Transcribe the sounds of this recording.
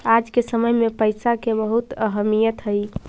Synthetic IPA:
ad͡ʒkesəməjmepəjsakebəɦut̪əɦəmijət̪ɦəj

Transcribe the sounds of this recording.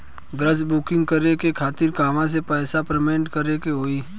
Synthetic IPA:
ɡɾəsbukɪ̃ŋɡ̚kəɾekekʰaːt̪ɪɾkaːmãs̬epɛːsapɾemẽːɳʈkəɾekeɦoːiː

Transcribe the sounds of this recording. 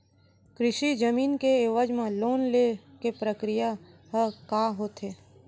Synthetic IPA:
kɾɪʃid͡ʒəmiːnkeeʋəd͡ʒmãloːnlekepɾəkɾijaɦəkaːɦoːt̪ɦeː

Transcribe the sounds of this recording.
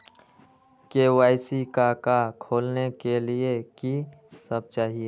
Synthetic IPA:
keːwaːɪsikakakʰoːlnekelieki | səb̚t͡ʃaːɦie

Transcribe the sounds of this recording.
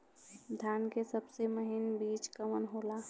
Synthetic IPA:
d̪ʱjaːnkesəbseməɦɪnbiːt͡ʃkamənɦoːla

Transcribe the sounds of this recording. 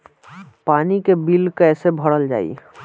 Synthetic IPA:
paːnikebilkɛːsebʱəɽəld͡ʒa̰ːḭ

